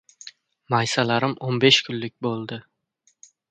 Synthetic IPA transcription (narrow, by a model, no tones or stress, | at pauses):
majsalaɾɪmonbe̞ʃkʲʰʊnlyk̚ʲbolˠd̪ɪ